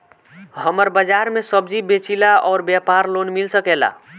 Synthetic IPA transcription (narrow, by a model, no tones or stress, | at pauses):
ɦəməɾbəd͡ʒaɾmesəbd͡ʒibet͡ʃilaɔːɾbjapaɾlonmilsəkela̰